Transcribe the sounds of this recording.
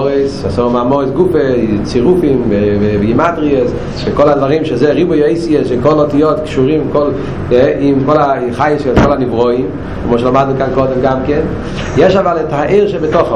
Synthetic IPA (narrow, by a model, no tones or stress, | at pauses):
ʁɛsʃasomaːmɔʁɛsɡufet͡siʁufimvevɛvɡimadʁies | vekoladvaʁimʃezɛʁibujejsiɛsʃekolotijotkʃuʁimkol | ʔimkolaiχajesotkʰolanivʁoim | kmoʃelamadnukankodɛmɡamkɛn | jeʃavaletaʔiʁʃɛbɛtoχ